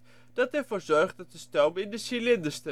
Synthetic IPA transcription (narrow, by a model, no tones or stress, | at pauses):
d̥ɑtɛɹvoːɹzɔɹχt̚dɑt̚əstɔlmɪndəsilɪndəɹstə